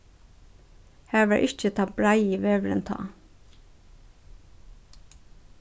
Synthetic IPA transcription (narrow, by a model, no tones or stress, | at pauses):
hæːɹʋæːʔɪc͡çət̪ʰɑbɹɑɪiːʋeːʋɹə̰nt̪ʰɑ̰ː